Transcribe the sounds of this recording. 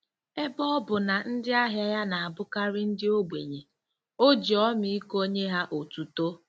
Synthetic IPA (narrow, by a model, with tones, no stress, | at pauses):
e˦bɔ˦ɔ˦bʊ˨na˨n̩˦dɪ˦a˦ɦja˦ja˦na˨a˨bʊ˦ka˦ɾɪ˦n̩˦dɪ˦o˦ɡ͡bʷe˨ɲe˨ | o˦d͡ʒi˨ɔ˦mi˦i˦ko˦ɲe˦ɦa˦ʔo˨tu˨to˦